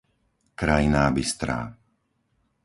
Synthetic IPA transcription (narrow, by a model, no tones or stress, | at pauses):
kɾajinabist̪ɾa̰ː